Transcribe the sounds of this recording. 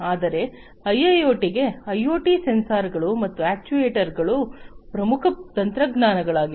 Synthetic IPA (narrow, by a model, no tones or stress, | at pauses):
aːd̪ɐɾe̞ | ɐjːɐjoːʈiɡe̞ɐjoːʈisensaːɾɡɐɭumɐt̪ːuæːk̚t͡ʃuʋeːʈɐɾɡɐɭupɾɐmukʰɐt̪ɐnt̪ɾɐɡnaːnɐɡɐɭaːɡi